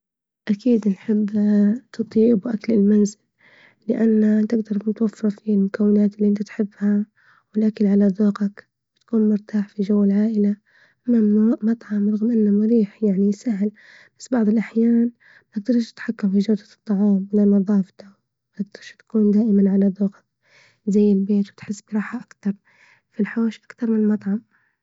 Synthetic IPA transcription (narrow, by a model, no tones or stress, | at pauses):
ʔakiːd̪nħɪbːt̪ʰɑt̪ˤiːbwʔaklɪlmanzɪlː | ɪʔanːat̪ɪɡd̪ɑɾˤnɪt̪wafːɾˤfilmʊkawːɪnaːt̪ɪlːiʔɪnt̪at̪ħɪbːha | wɪlʔakalʕalaðˤuːqak | bɪt̪ḁkuːnmʊɾt̪aːħfiʒawːɪlʕaːʔɪla | mamɑt̪ˤʕɑmɾˤɑɣmʔɪnːamaɾiːħjaʕnisaɦl | b̥ḁsːbɑʕðˤɨlʔaħjaːn | aɡ̚d̪ɑɾˤʃɪ̥t̪ħakːamfiʒawd̪at̪ˤːɑʕɑːmwɪlanɑðˤɑːft̪a | maɡ̚d̪ɑɾˤʃt̪ḁkuːnd̪aːʔɪmanʕalad̪ˤoːqɑ̥k̚ | zajːɪlbeːt̪wɪt̪ħɪsːbɾˤɑːħaʔakt̪ɑɾˤ | filħoːʃʔḁkt̪ɑɾˤmɪnmɑt̪ˤʕɑm